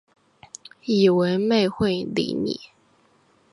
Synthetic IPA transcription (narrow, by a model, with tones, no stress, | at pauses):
i˨˩wə˧˥nme˥˧ɪxwe˥˩ɪlḭ˧˥nḭ˨˩˦